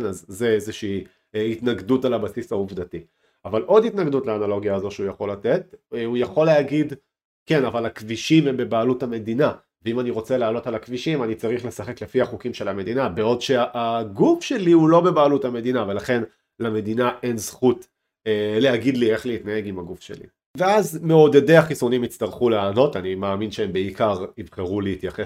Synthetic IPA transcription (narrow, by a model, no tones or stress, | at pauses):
nazːeezeʃiː | itnaɡdutalabasisauvdati | avalʔo̞ditnaɡdutleaːnalo̞ɡjaːzo̞ʃeujaχo̞late̞tujaχo̞leaɡid | ke̞navalakviʃimembe̞baːluthame̞dina | veimaniʁo̞t͡seleːlo̞talakviʃimanit͡saʁiχle̞saχe̞kle̞fiaχukimʃelame̞dinabeo̞dʃe̞aʔaɡufʃe̞liulo̞be̞baːlutame̞dinave̞laχe̞n | lame̞dinaʔe̞nzχut | eleaɡidlie̞χliitnae̞ɡimaɡufʃe̞̰lḭ | ve̞azmeo̞d̪ede̞jaχisunimit͡st̪aʁχuleano̞tanimaːminʃeembeikaʁivχeʁuleit̪jaχes